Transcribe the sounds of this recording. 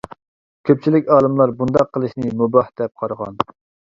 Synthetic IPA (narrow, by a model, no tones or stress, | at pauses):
kʲʰøp̚t͡ʃʰilɪkʲɑːlˠɨmlˠɑɾbund̪ɑqʰːəlˠɨʃnɨmubɑhd̪ɛp̚qʰɑɾʁɑ̰n